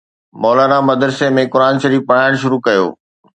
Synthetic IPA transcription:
mɔːlaːɾamɐd̪ɾsemẽkʊɾaːnʃɐɾiːfpɐɽ̤aːɪɽ̃ʃʊɾukɐjo̰ː

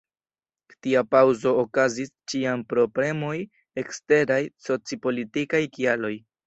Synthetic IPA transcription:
ktiapawzo̞ːkazist͡ʃianpɾo̞ple̞mo̞j | e̞kste̞ɾajso̞t͡sipo̞litikajkialo̞j

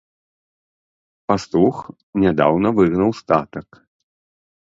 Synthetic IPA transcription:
past̪ux | nʲad̪a̰wnɐvɨɣnɐwst̪at̪ɐk

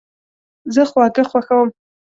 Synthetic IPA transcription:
zɨχwʷakʼɨχʷaxawm

